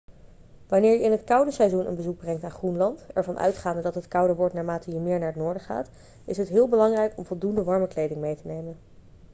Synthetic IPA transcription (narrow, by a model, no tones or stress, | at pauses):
ʋanɪːɹjəɪnɦətkʌwdəsɛjzunə̰nbəzuɡ̚brɛŋk̚taːnχrunlɑntɛ̰ɹvɑnʔœ̰ɥtχaːndədɑtɦətkʌwdəɹʋɔɹtnaːɹmaːtəjəmɪːɹnaːɹətnʊːɹdəχa̰ːt | ɪsɦətɦɪːlˠbəlɑŋrɛjkɔmvɔlˠdundəʋɑɹməklejdɪŋmejtənejmən